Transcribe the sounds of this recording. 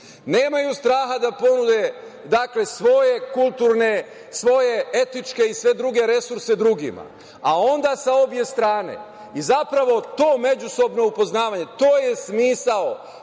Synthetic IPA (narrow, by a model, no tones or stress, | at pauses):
ne̞ːmajust̪ɾaːɦad̪apo̞nud̪e̞ | d̪akle̞sʋo̞je̞kulˠt̪uːɾne̞ | sʋo̞je̞e̞t̪it͡ʃke̞isʋe̞d̪ɾuɡe̞ɾe̞suɾse̞d̪ɾuɡḭma̰ | ao̞nd̪asao̞bje̞st̪ɾaːne̞̰ | izapɾaʋo̞t̪o̞ːme̞d͡ʑuso̞bno̞upo̞znaːʋaɲe̞t̪o̞ːje̞smiːsao